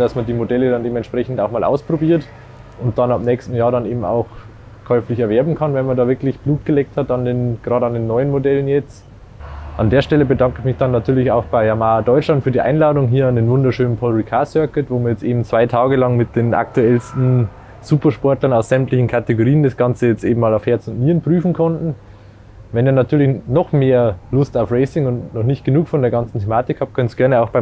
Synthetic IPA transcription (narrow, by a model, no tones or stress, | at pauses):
d̥asmɐndiːmodɛlədandeːbmɛntʃpʁ̥ɛçn̩taʊxmaːlʔa̰ʊspʁ̥obiːɐt | ʔʊnt̚d̥anabnɛːkstn̩jaːɐɾaneːbm̩a̰ʊx | kʰɔʏflɪçɛɐvɛɐbm̩kʰanvɛnmɐndɑːvɪɐklɪçb̥luːt̚ɡ̥əlɛːk̚thatandeːnɡ̥ʁaːɾəɑndeːnːɔʏənmodɛlənjɛt͡s | ʔa̰ndeːɐʃtɛləbədaŋkəɪçmɪçd̥anːatʰyːɐlɪçaʊxb̥aɪamaːdɔʏtt͡ʃlantfyːɐdiʔa̰ɪnlaːdʊŋɦiːɐandeːnvʊndɐʃøːnənpʰɔlʁikʰaːsœɐkətvoːmiɐjɛt͡stʔeːbm̩t͡sv̥aɪtʰaːɡəlɑŋmɪt̚d̥eːna̰k̚tuɛlstn̩ | z̥uːpɐʃpɔɐtlɐnaʊsz̥ɛmtlɪçn̩kʰateɡoʁiːəndasɡ̥ɑnt͡səjɛt͡stʔḛːbm̩maːlaʊfhɛɐt͡sʊntmiːənpʁ̥yːfn̩kʰɔntn̩ | vɛniːɐnatʰyːɐlɪçnɔχmeːɐlʊstaʊfʁɛɪsɪŋʊntnɔχnɪçt̚ɡ̥ənuːkfɔndeːɐɡɑnt͡sn̩tʰemaːtɪkhaːpt̚kʰœnətsɡ̥ɛɐnəaʊxb̥aɪ